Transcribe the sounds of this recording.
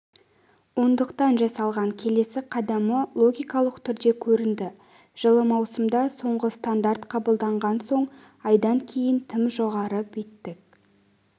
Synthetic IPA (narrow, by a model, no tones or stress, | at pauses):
wond̪əqt̪ɑnʒɑsɑlˠʁɑŋkʲʰe̞le̞sɪqʰɑd̪ɑməlˠo̞ɡʲijkɑlˠəqt̪ʰʏɾd̪e̞kʲʰɵɾɪnd̪ɪ | ʒ̥əlˠəmɑwsəmd̪ɑso̞ɴʁəst̪and̪aɾt̪qʰɑbəlˠd̪ɑɴʁɑnso̞ɴ | ɑjd̪ɑŋkʲʰe̞jɪnt̪ʰɪmʒo̞ʁɑɾəpet̪ːɪk̚